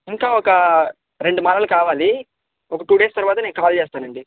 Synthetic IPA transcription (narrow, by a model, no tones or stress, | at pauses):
iŋkaːɔkɐ | ɾeɳɖumaːɾɐlɐkaːʋaːli | ɔkɐʈuːɖeːst̪ɐɾʋaːt̪ɐne̞ːnukaːlt͡ʃeːst̪aːnɐɳɖi